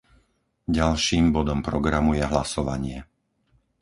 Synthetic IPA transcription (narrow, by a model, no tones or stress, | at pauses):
ɟalʃiːmbɔd̪ɔmpɾɔɡɾamujɛɦlasɔʋaɲɪɛ